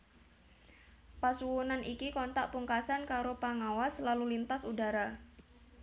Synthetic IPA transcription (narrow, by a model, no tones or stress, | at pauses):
pasuwunanikikɔnt̪aʔpuŋkasankaɾopaŋawaslalulint̪asudaɾa